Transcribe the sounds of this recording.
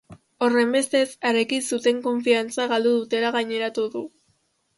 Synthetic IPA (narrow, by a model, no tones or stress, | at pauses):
o̞re̞mbe̞st̪e̞saɾekisut̪e̞ŋko̞ɱfiant͡saɣald̪uðut̪e̞laɣajɲe̞ɾat̪uðu